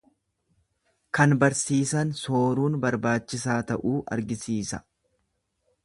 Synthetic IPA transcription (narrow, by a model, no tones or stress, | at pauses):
kɐnbɐɾsiːsɐnsoːɾuːnbɐɾbaːt͡ʃːɪsaːt̪ɐʔuːʔɐ̰ɾɡɪsiːsɐ